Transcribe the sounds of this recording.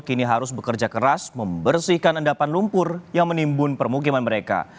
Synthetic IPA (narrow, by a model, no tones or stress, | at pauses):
kiniɦaɾʊsbəkərd͡ʒakəɾasməmbərsihkanəndapanlumpʊrjaŋmənimbʊnpərmuk̬imanməɾeka̰